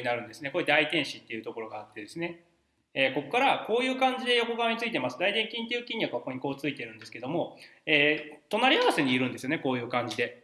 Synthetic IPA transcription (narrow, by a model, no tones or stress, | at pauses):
inaɾɯ̟̃nd̪e̞sɨne̞ko̞ːd̪ait̪ẽ̞ɰ̃ɕit̪ːe̞iɯ̟t̪o̞ko̞ɾo̞ɡaːt̪ːe̞d̪e̞sɨne̞ | eːkokokaɾako̞ːjɯ̟ːkãɲ̟d͡ʑid̪e̞jo̞ko̞ɡaβaɲ̟it͡sɨit̪e̞masɨd̪aid̪ẽ̞ŋkʲĩnt̪ejiɯ̟kʲĩɲ̟ːjakɯ̟akoɲ̟iko̞ːt͡sɨit̪e̞ɾɯ̟nd̪e̞sɨ̥ke̞d̪o̞mo̞eːt̪o̞naɾʲiaβase̞ɲ̟iːɾɯ̟̃nd̪esɨjo̞ne̞ko̞ːjɯ̟ːkãɲ̟d͡ʑid̪e̞